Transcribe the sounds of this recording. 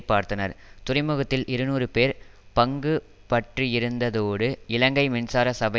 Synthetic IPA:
pːaːɾt̪ɐnɐ̰ɾt̪ʊrɪmɯɣɐt̪ːɪlʔɪɾɯnuːrɯpeːɾpɐŋɡɯ | pɐʈriɪɾɯnd̪ɐðoːɽɯɪlɐŋɡɐɪmɪnsaːɾɐsɐbɐ

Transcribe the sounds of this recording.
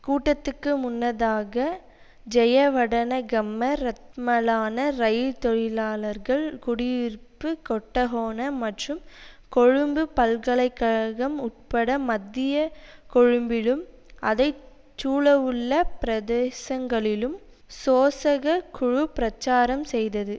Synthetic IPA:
kuːʈːɐt̪ːɯkːɯmʊnːɐðaːɣɐ | d͡ʒɛjɐʋɐɽɐnɐɡɐmːɐɾɐt̪̚mɐlaːnɐɾɐjɪt̪ɔɻɪlaːlɐɾɣɐɭkʊɽɪʋɪɾpːɯkɔʈːɐɣoːnɐmɐʈrɯm | kɔɻɯmbɯpɐlkɐɭɐɪkːɐɻɐɣɐmʊʈ̚pɐɽɐmɐd̪ːɪjɐkɔɻɯmbɪlɯm | ʔɐðɐɪ | t͡ʃːuːɭɐʋɯɭːɐpɪɾɐðeːsɐŋɡɐɭɪlɯm | soːsɐɣɐkʰʊɻʊpɾɐt͡ʃːaːɾɐmsɛjðɐðɯ

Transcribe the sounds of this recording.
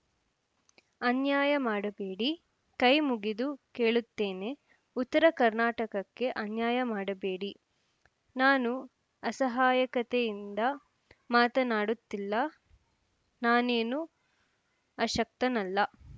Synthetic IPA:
ɐnjaːjɐmaːɽɐbe̞ːɽi | kɐjmuɡid̪uke̞ːɭut̪ːeːne̞ | ut̪ːɐɾɐkɐɾnaːʈɐkɐkːe̞ʔɐnjaːjɐmaːɽɐbeːɽi | naːnu | ɐsɐɦaːjɐkɐt̪ejind̪ɐ | maːt̪ɐnaːɽut̪ːilːɐ | naːneːnu | ɐʃɐk̚t̪ɐnɐlːɐ

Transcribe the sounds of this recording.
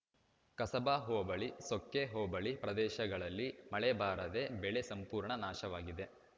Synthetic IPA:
kɐsɐbaːɦoːbɐɭisokːeɦɔːbɐɭipɾɐd̪ɛːʃɐɡɐɭɐlːimɐɭebaːɾɐd̪e̞bɛɭesɐmpuːɾɳɐnaːʃɐʋaːɡid̪e̞

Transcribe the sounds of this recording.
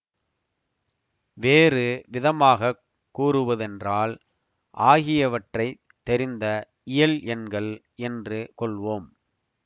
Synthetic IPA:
ʋeːrɯʋɪðɐmaːɣɐ | kːuːrɯʋɐðɛndraːl | ʔaːɣɪjɐʋɐʈrɐɪ | t̪ːɛɾɪnd̪ɐ | ɪjɐlʔɛnɡɐɭ | ɛndrɯkɔɭʋoːm

